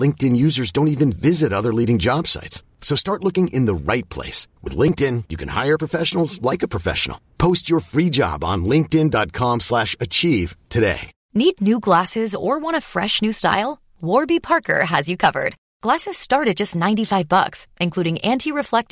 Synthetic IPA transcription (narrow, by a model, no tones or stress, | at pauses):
lɪ̃ŋk̚tɨ̃njʉzə˞zdõʊ̃ntivɨ̃nvɪzɨɾʌðə˞liɾɪ̃ŋd͡ʒɑb̥sa̰ɪts | soʊstɑɹtˡlʊkɪ̃ŋʔɪ̰̃nðəɹaɪt̚pʰl̥ḛɪswɨ̰ðlɪ̃ŋk̚tɪ̃njɨkʰɨ̃nha̰ɪə˞pʰɹ̥əfɛʃn̩l̩ˠzlaɪkəpʰɹ̥əfɛ̰ʃn̩l̩ˠpʰoʊst͡ʃə˞fɹid͡ʒɑ̰b̃n̩lɪ̃ŋk̚tɪ̃ndɑt̚kʰɑ̃mslæʃɨt͡ʃʰiv̥tʰɨdḛɪ | nidⁿnʉɡlæsɪzə˞wɑ̃ɾ̃əfɹɛ̰ʃnʉsta̰ɪlˠ | wɔɹbipʰɑɹkʰə̰˞ɨzjɨkʰʌvə̰˞d̥̚ | ɡ̥læsɨz̥stɑɹɾɨd̚d͡ʒʌstⁿnãɪ̃ntifaɪvbʌ̰ksʔɨ̃nkʰl̥uɾɪ̃ŋʔæ̃ntʰiɹɨflɛk̚t